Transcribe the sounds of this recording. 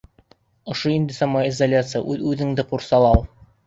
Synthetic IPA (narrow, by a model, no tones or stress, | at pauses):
ŏʃoind̪ɘsɑmːɑizɐlʲat̪sɨja̰ʔʉðʉðɘ̆ŋd̪ɘquɾsɑlˠɑlˠ